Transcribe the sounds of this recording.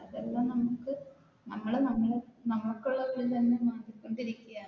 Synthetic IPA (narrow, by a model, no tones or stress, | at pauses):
ɐðelːɐnɐmukːɨ | nɐmːɐɭnɐmːɐɭenɐmːɐɭkːuɭːɐɣɐɭit̪ɐnːemaːnd̪ikːoɳɖiɾikʲːujaː